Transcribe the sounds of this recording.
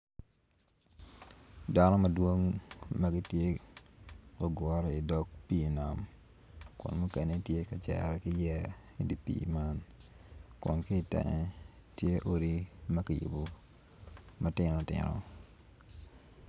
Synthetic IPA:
da˦nɔ˦mɐ˨dwo˦ŋmɐ˦ɡɪ˦tje˦ | ko˨ɡɔ˦ɾɪ˨dɔ˦k̚pi˦˨na˨m | kʊ̰˨nmu˦ke˨ne˦tje˦ka˨t͡ʃɛ̰˨ɾɛ˨kɪ˦jɛ˦ | i˦di˨pḭ˨ma˦n | kʊ̰˨nkɪ˦tɛ̰˨ŋɛ˦ | tje˦ʔo˦ɾi˦mɐ˦ka˨jṵ˨bo˨ | mɐ˦tɪ˦nɔ˨tɪ̰˨nɔ̰˨

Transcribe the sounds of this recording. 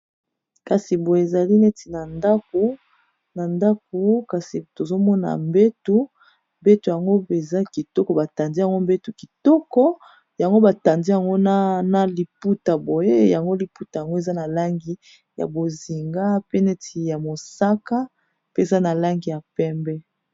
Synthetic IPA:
ka˨si˨bo˨e˨za˨li˦ne˦tʰi˨na˨nda˦ko˨ | na˨nda˦k̚o˨ka˨si˨to˨zo˦mɔ˦na̰˨mbe˦tu˦ | mbe˦tu˨ja˨ŋɡo˦pe˨za˦ki˨tɔ˦kɔ˨ba˨ta˨ndi˦ja˨ŋɡo˦mbe˦tu˨ki˨tɔ˦kɔ˦ | ja˨ŋɡo˦ba˨ta˨ndi˦ja˨ŋɡo˦na˦na˦li˨pu˦ta˨bo˨je˦ja˨ŋɡo˦li˨pu˦ta˨ja˨ŋɡo˦e˨za˦na˨la˦ŋɡi˦ | ja̰˨bo˨zi˨ŋɡa˦pe˦ne˦tʰi˨ja˨mo˨sa˦ka˦ | pe˦e˨za˦na˨la˦ŋɡi˨ja˨pɛ˦mbɛ˦

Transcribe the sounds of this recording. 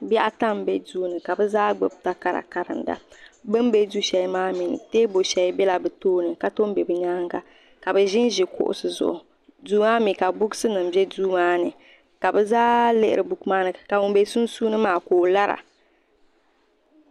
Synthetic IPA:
bɛ˦ʔa˦ta˦m˨bɛ˦duː˦nɨ˨ka˨bɛ˦zaː˦ɡ͡bɨ˨b̚ta˦ka˦ɾa̰˨ka˨ɾɨ̰˨nda̰˨bɨ˦m˦be˦du˦ʃɛ˨li˦maː˦mi˨nɨ̰˨teː˦bo˨ʃɛ˨li˦bɛ˦la˨bɨ˨toː˦nɨ˨ka˦to˦m˦bɛ˨bɨ˨ɲa˦ŋɡa˨ | ka˨bɛ˨ʒɪ˦n˦ʒi˨kʊ̰˦ʔʊ̰˦˨sɨ˨zʊ̰˨ʔʊ˨ | duː˦maː˦mi˨ka˨bʊ˦ɡsɨ˦nɨ˨m˨bjɛ˦duː˦maː˦nɨ˨ | ka˨bɛ˦zaː˦lɨ˦˨ʔɪ˦ɾɨ˨bu˨kmaː˦nɨ˨ka˨ʊ˨m˦be˦su˦nsuː˦nɨ˦maː˦koː˨la˦ɾa̰˨

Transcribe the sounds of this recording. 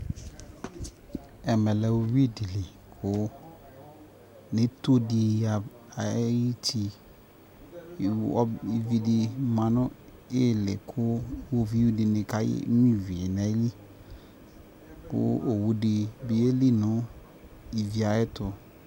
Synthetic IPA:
ɛ˨mɛ˨lɛ˨wo˨wi˦˨di˨lɪ˨ | kʰʊ˦ | nɪ̃˨˦t̪o˦di˨a˨ | a˨˦i˦tʰi˦˨ | ɔ̰˦i˨vi˨dɪ˨mã˨nʊ̃˦ | ɪ˦˨lɪ˨kʰʊ˦wo˦vi˦wu˦dɪ˨nɪ̃˨ka˦jɪ̰˦mĩ˦vi˨nɛ˦li˦ | kʊ̰˦o˨wu˨dɪ˨bi˨je˦li˦nʊ̃˨˦ | i˨vi˨a˨ɛ˦t̪ʊ˨

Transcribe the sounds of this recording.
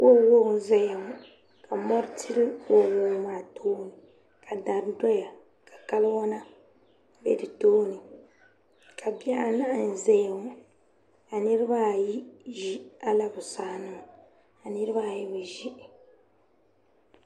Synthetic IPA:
kʊ˦ɾlʊ˦ɣʊ˨zɛ˦ja˨wɔ˨ | ka˨mɔ˦ɾtʰi˦ɾɨ˦o˨woː˨˦maː˨tʰoː˦nɨ˨ | ka˨da˨ɾdɔ˦ja˨ | ka˨ka˦lwɔ˦na˦ | bɛ̰˦dɨ˨toː˦nɨ˨ | kʰa˨bi˦ɛ˦ʔa˦na˦ʔn̩˨zɛ˦ja˨wɔ˨ | a˨nɨ˦ɾɨ˦ba˦˨ji˦ʒi˦a˦la˨bʊ˨saː˦nɨ˦ŋ˨ | a˨nɨ˦ɾɨ˦ba˦˨ji˦bɨ˨ʒi˦ʔ

